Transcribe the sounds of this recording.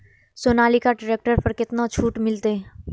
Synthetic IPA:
soːnaːlikaɖɪɾeːk̚ʈəɾpɐɾkɪt̪not͡ʃʰuːʈmɪlt̪e

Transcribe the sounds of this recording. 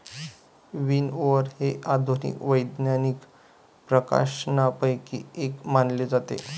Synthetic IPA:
ʋiːnoʋəɾheʔad̪ʱunḭkʋəjd̪njanik | pɾəka̰ʂnapəjkḭekmanled͡zat̪ḛ

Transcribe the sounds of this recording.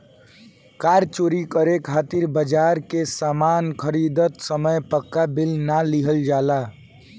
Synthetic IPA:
kaɾt͡ʃoɾikəɾekʰat̪iɾbəd͡ʒaɾkesamankʰəɾid̪ət̪səməjpəkːabilnaliɦəld͡ʒala

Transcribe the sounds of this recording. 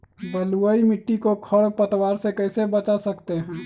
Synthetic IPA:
bəluəimɪʈːikokʰəɽ̚pət̪waɾsekəɪsebət͡ʃasəkt̪eɦɛ̃

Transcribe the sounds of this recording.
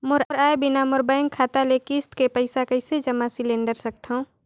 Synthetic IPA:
mʊɾɾaːebɪnamʊɾbaɪ̃ŋkʰaːt̪alekɪst̪kepəɪsakəɪsed͡ʒəmasɪlẽːnɖəɾsək̚t̪õ

